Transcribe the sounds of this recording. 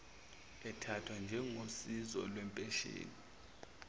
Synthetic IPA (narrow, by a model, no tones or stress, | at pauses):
ɛtʰatʰwand͡ʒʱɛŋosizɔ̰lwɛmpʼɛʃḛːni